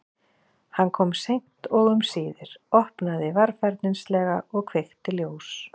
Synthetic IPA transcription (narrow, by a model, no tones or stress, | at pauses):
hankʰɔmsejŋ̥t̪ɔɣʏmsiːðɪɾ̥ɔhpnaðɪvaɾfajɾt̪nɪnslɛːɣaɔɣkʰvejxt̪ɪljoːws